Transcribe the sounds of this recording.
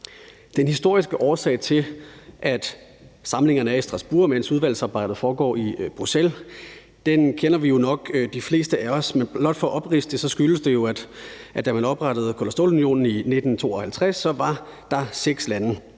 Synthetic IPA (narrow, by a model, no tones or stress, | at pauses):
d̥enhisd̥o̝ɐ̰isɡ̥əʔɒːsɛ̰ɪt͡sʰe̝lʔæd̥ | sɑ̈mle̝ŋɐnəæɐisd̥ʁɑ̈sb̥uːɐ̰mensuð̞ˠʋæl̰sɑ̈ːb̥ɑ̈ɪ̰dð̩ˠfɒːɡ̥ɒ̰ːib̥ʁusel | d̥enkʰenɐʋijo̝nɒ̽ɡ̥d̥ifle̝̰ːsd̥əæɒ̽smenblɒd̥fɒ̽ʔɒ̽b̥ʁisd̥esɒ̽sɡ̥yləsd̥e̝jo̝æ̥ | ʔæd̥æmænɒ̽b̥ʁɑd̥ð̩ˠkʰo̝læsd̥o̝̰ːlunjo̝̰ːnn̩ine̝d̥n̩t͡sʰo̝̰ːɒ̽hælt͡sʰʁasːɒ̽ʋɑ̈d̥ɑ̈seɡ̥slænə